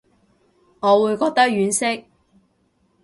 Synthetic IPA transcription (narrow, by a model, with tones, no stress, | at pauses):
ŋɔː˨˧wuː˨˧jkɔː˧k̚t̪ɐ˥k̚jyː˨˥nsɪ˥k̚